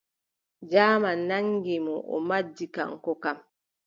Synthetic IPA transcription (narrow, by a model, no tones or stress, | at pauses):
d͡ʒaːmanaŋɡimɔʔɔ̰mad͡ʒːika̰ŋkɔkam